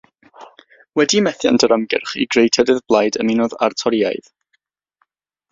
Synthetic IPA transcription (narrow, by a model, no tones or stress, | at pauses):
wɛdimɛθja̰ndʰəɾəmɡɪ̰rχḭɡrejtʰɛdɪðblˠajdə̰mɪnɔða̰rtʰɔɾia̰ɨð